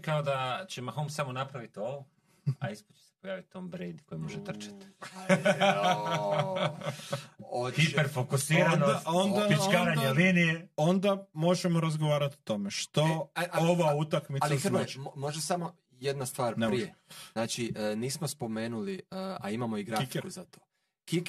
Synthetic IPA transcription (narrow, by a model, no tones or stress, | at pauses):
kaod̪at͡ɕemaxomsamonapɾaʋit̪ioʋo | aispot͡ʃe̥se̥pojaːʋit̪ːombɾid̪kojimoʒet̪r̩t͡ʃḁt̪ | oxipeɾfokusiːɾanaond̪apit͡ʃkaːɾaɲelinijeo̞nd̪amo̞ʒemoɾazɡoʋaːɾat̪o̥t̪o̞me̞ʃt̪ooʋaut̪akmit̪aliɾmoʒd̪asamo | jed̪nast̪ʋaːɾneɾieznaːt͡ʃiəniːsmospo̞meːnuliəa̰imamoiɡɾaifkeɾuzat̪oː | kik